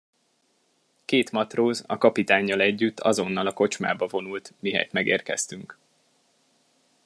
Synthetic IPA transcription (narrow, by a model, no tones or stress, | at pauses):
keːt̪mɒt̪roːzɒ̰kɒpit̪aːɲːɒlɛɟːyt̪ʰːɒ̰zo̞nːɒlɒko̞t͡ʃma̰ːbɒvo̞nult̪miɦɛ̰jt̪mɛɡḛːrkɛ̰st̪yŋk